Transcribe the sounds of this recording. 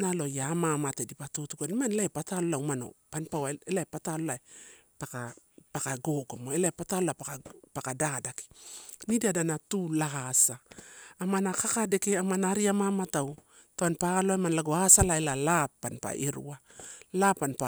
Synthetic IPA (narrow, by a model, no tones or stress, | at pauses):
nalo̞jaːmamatedipatutuɡonimanlaepatalolawmano̞̰panpawaelaepatalolae | paka | pakaɡo̞ɡomoelaepatalolapakapakadadaki̥nidadanatulaɡasaːmanakakade̞keamanaɾiamamataw | taanpaloaemanlaɡoasalaelalapːanpa̰ʔeɾṵalapːanpa